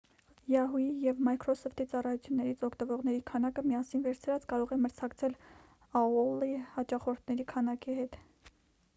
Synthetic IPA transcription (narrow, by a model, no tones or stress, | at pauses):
jɑɦujijɛvmɑjkʰɾɔsɔft̪it͡sɑrɑjut͡sʰjunːɛɾit͡sʰɔkʰt̪əvɔʁnɛɾikʰɑnɑkəmiɑsinvɛɾt͡sʰɾɑt͡skɑɾɔʁɛməɾt͡sʰɑkt͡sʰɛl | ɑɔlːihɑt͡ʃɑχɔɾt̪ʰnɛɾikʰɑnɑkihɛt̪